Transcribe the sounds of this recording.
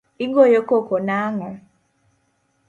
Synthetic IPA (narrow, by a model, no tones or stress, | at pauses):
iŋɡɔjɔkɔkɔnaŋɔ